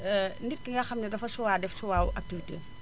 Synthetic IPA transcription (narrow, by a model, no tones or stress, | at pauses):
ɛnit̚kiŋɡɐxɐmnɐdɐfɐsuwaːdɛfsuwaːwuʔɐk̚tifitḛː